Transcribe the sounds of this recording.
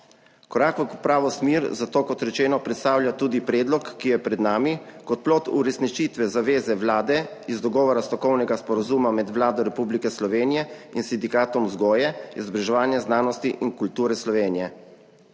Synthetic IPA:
kɔɾaːkʋɔkupɾaːʋɔsmiɾzat̪oːkɔt̪ɾɛt͡ʃɛːnɔpɾɛt̪st̪aːwlʲjat̪uːd̪ipɾɛːd̪lɔkːijɛpɾɛd̪naːmikɔt̪̚plɔt̪ṵɾɛsnit͡ʃit̪ʋɛzaʋeːzɛʋlaːd̪ɛizd̪ɔɡɔːʋɔɾast̪ɔkɔwnɛɡaspɔɾazuːmamɛd̪ʋlaːd̪ɔɾɛpublikɛslɔʋeːnijɛinsind̪ikaːt̪ɔmzɡɔːjɛɛzbɾɛʒɛʋaːnjɛznaːnɔst̪iʔinkult̪uːɾɛslɔʋeːnijɛ

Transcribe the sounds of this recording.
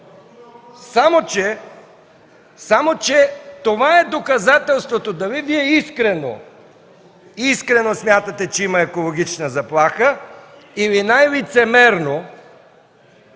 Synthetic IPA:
samot͡ʃɛ | samot͡ʃɛt̪ovaɛd̪okɐzat̪ɛlˠst̪vot̪od̪ɐviviɛiskɾɛno̰ | iskɾɛnosmʲjat̪ət̪ɛt͡ʃɛimɐɛkolˠoɡ̟it͡ʃnəzɐplˠaxə | ivinajlit̪sɛmɛɾno

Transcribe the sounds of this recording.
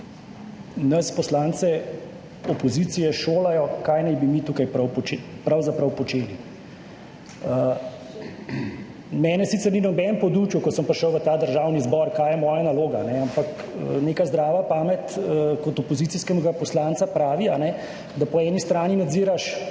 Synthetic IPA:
nɐspɔslaːnt̪sɛ | ɔpɔziːt̪sijɛʃoːlajɔkaːjnajbimit̪uːkajpɾɐwpɔepɾawzapɾɐwpɔt͡ʃeːli | ə | mɛːnɛsit̪sɛɾninɔbɛnmpɔd̪ut͡ʃjukɔsəmpɾiʃəwʋət̪aːd̪əɾʒaːwnizbɔɾkaːjɛmɔːjanaloːɡa̰nɛampak | ə̰neːkazd̪ɾaːʋapaːmɛt̪ːkɔt̪ɔpɔzit̪siskɛɡapɔslaːnsapɾaːʋianɛ | d̪apɔɛːnist̪ɾaːninad̪ziːɾaʃ

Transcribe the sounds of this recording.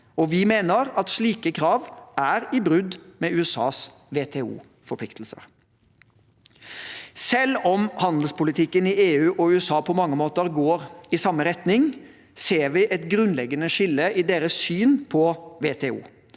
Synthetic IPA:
ɔʋɪmeːnəɾɑt̪ʂliːkəkʰɾɑːʋæɾɪbɾʉd̪mɛʉːɛsɑ̰ːs | ʋeːt̪ʰeːṵː | fɔɾpʰlɪkt̪l̩sə̰ɾ | sɛlːɔmhɑnd̪l̩spʊlɪt̪ʰɪkːənɪeːʉːʔɔʉːɛsɑːpʰɔmɑŋːəmoːt̪əɾɡoːɾɪsɑmːəɾɛt̪nɪŋ | seːɾʋɪʔɛt̪ɡɾʉnlɛɡːənəʂɪlːəʔɪd̪eːɾəssyːnpʰɔʋeːt̪ʰɛːṵː

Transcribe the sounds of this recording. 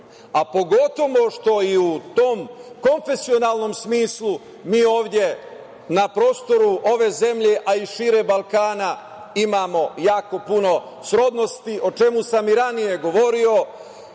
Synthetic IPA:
apo̞ɡo̞t̪o̞ʋo̞ʃt̪o̞iut̪o̞ːmko̞nfe̞sio̞naːlˠno̞msmiːslˠu | miːo̞ːʋd̪ʲje̞ | napɾo̞ːst̪o̞ɾuʔoʋe̞ːze̞mʎe̞ʔaiʃiːɾebalˠkaːna | imaːmo̞jaːko̞puno̞ | sɾo̞d̪no̞st̪iʔo̞t͡ʃe̞musamiɾanije̞ɡo̞ʋo̞ɾio̞

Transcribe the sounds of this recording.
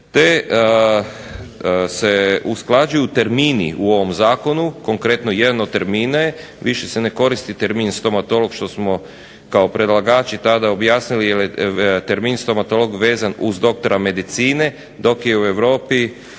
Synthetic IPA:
t̪e̞ | seusklˠad͡ʒujuut̪e̞ɾmiːnḭuo̞ʋo̞mzaːko̞nuko̞ŋkɾe̞t̪noje̞d̪anod̪t̪ːeɾmiːnaje | ʋiʃesene̞ko̞ɾist̪it̪eɾminst̪o̞mat̪o̞lˠo̞ɡʃt̪o̞smo̞ | kaopɾe̞d̪lˠaɡaːt͡ʃit̪ad̪ao̞bjaːsnilijeljet̪eɾmiːnst̪o̞mat̪o̞lo̞ɡʋe̞ːzanuzd̪o̞k̚t̪oɾame̞d̪it̪siːne̞ | d̪o̞kjeue̞ʋɾo̞ːpi

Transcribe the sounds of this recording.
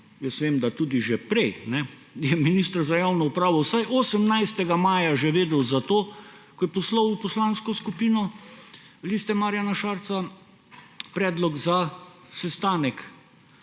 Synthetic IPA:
jəsʋeːmd̪at̪uːd̪iʒɛpɾɛjnɛ | jɛminist̪ɾzajawnɔupɾaːʋɔwsajʔoːsəmnajst̪ɛɡamaːjaʒɛʋeːd̪ɛwzat̪oːkɔjɛpɔslɔwwpɔslaːnskɔskupiːnɔ | liːst̪ɛmaːɾjanaʃaɾt̪sa | pɾɛːd̪lɔɡza | sɛst̪aːnɛk

